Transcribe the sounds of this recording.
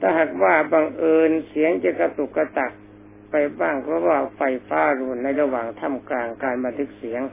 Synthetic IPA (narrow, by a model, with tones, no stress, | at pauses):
t̪ʰaː˧˩ɦa˨˩k̚waː˧˥˩ba˧ŋʔɤː˧nsi˨˦əŋt͡ɕe˧˩kːa˧t̪u˨˩kːa˧˩t̪a˨˩k̚ | pa˧jbaː˥˩ŋpʰɔ˧˥˧waː˧˩fa˧˩jfaː˧˥˩ɾu˧˩nːa˧˩jɾa˧waː˨˩ŋt̪ʰa˧˥˨mkaː˧˩ŋkaː˧nba˧nt̪ʰɯ˧˥k̚si˩˦əŋ